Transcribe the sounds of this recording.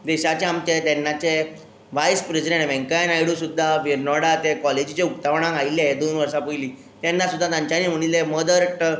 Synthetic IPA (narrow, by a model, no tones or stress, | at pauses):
d̪ɛɕat͡ɕeamt͡ɕet̪ɛnːat͡ɕe | ʋajspɾisiɖẽɳʈʋɛ̃ŋkajnajɽũsud̪ʱːaʋeɾnɔɽat̪ekɔled͡ʑit͡ɕeukt̪aʋɽ̃ãkailːeɦed̪onʋəɾʂapəjliː | t̪ɛ̃nːasud̪ʱːat̪jãɲt͡ɕaniːm̤əɽ̃ileməd̪əɾʈ